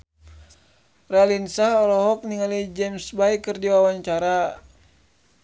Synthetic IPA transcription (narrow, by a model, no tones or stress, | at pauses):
ralinsahɔɾɔɦɔk̚niŋalid͡ʒɛmsbaikərdiwawaɲt͡ʃaɾa